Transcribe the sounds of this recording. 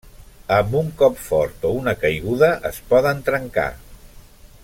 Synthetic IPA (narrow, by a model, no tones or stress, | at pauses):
əmbuŋkɔpfɔɾt̪ounəkəjɣ̞uðəʔəspɔðənt̪ɾəŋka̰